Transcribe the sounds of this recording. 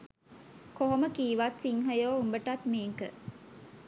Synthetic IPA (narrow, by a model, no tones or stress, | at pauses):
koɦoməkiːʋat̪siŋɦɐjoːumbəʈat̪meːŋkə